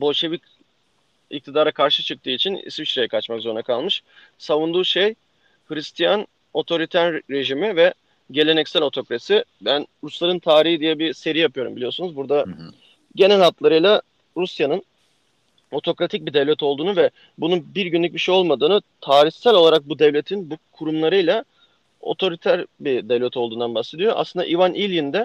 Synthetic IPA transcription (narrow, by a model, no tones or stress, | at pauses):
bo̞lʲʃe̞vic | ḭc̚t̪ʰid̪aːɾakʰaɾʃɯt͡ʃʰɯk̚t̪ʰɯːit͡ʃʰinḭsvit͡ʃɾejɛkʰat͡ʃmakzo̞ɾunakʰalˠmɯʃ | savund̪uːʃej | hɯɾist̪ʰijan | o̞t̪ʰo̞ɾit̪ʰæɾːe̞ʒimivɛ | ɟe̞lʲe̞nɛcsælʲo̞t̪ʰo̞kɾasibænɾuslˠaɾɯnt̪ʰaːɾiɦid̪ijɛbise̞ɾijapʰɯjo̞ɾumbilʲijo̞sunuzbuɾd̪a | ɟe̞nælat̪lˠaɾɯjlˠa | ɾusjanɯn | o̞t̪ʰo̞kɾat̪ʰic̚bid̪evlʲɛt̪ʰolˠd̪uːnuvɛ | bunubiɾɟynlʲyc̚biʃejo̞lˠmad̪ɯːnɯt̪ʰaːɾiçsælʲo̞lˠaɾak̚bud̪ɛvlʲe̞t̪ʰinbukʰuɾumlˠaɾɯjlˠa | o̞̰t̪ʰo̞ɾit̪ʰæɾbid̪ɛvlʲɛt̪ʰo̞lˠd̪uːnd̪anbaxse̞d̪ijoʔa̰slˠɯnd̪a̰ʔivanʔilʲjind̪ɛ